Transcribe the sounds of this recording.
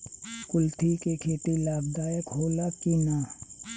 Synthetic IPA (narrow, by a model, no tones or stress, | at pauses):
kʊlt̪ʰikekʰeːt̪ilaːb̚d̪aːjəkɦoːlakinaː